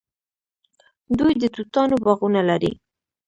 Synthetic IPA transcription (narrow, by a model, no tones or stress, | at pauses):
d̪ujd̪ət̪ut̪ɑnobɑɣunalaɾḭ